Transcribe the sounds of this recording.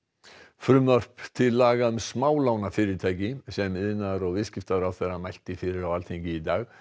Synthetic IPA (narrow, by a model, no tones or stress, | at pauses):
fɾʏmːœr̥pt̪ʰɪlːaːɣamsmaːwlawnafɪːɾɪɾt̪ʰaːjcɪsɛmɪðnaɾɔɣvɪðscɪft̪aɾawθɛɾamajlt̪ɪfɪːɾɪɾawalt̪ʰeɲcɪit̪aːɣ